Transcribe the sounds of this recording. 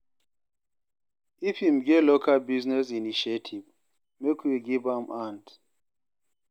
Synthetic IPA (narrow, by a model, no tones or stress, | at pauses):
ifimɡɛtlokʰalbiznɛs̬iniʃetʰiv | mekʰwiɡivãmʔãnd